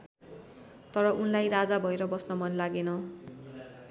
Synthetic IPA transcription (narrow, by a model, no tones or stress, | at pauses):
t̪ʌɾʌʔunlajrad͡zabʱʌeɾʌbʌsnʌmʌnlaɡenʌ